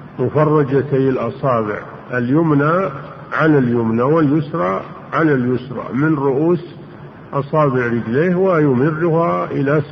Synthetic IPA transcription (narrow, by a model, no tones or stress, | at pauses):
mʊfɑrˤːɑd͡ʒat̪ajɪlʔɑsˤɑːbɪ̰ʕ | aljʊmna | ʕanaljʊmnawɪljʊsɾˤɑ | ʕalaljʊsɾˤɑ̰mɪnɾʊʔuːs | ʔɑsˤɑːbɪʕɾɪd͡ʒleːhwajʊmɪrːʊhaʔɪla